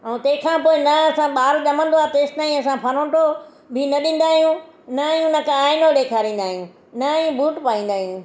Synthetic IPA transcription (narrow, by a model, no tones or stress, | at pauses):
ɐũt̪ɐ̃ːɦkʰãːpoːɪnɐɐsãɓaːɾʄɐmə̃nd̪oaːt̪eːsʈnaːĩɐsãpʰɐɾõːʈo | bʱɪnɐɗĩːn̆d̪aːɦijũ | nɐɦijũnɐkãaːɪnoɗeːkʰaːɾĩːn̆d̪aːɦijũ | nɐɦijũbʱuːʈpaːĩːn̆d̪aːɦijũ